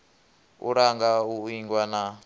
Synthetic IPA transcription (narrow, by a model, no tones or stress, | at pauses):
ṵɾaŋɡauiŋɡwana